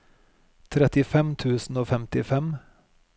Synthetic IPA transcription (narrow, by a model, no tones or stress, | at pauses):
t̪ʰɾɛt̪ɪfɛmt̪ʰʉːsn̩oːfɛmt̪ɪfɛm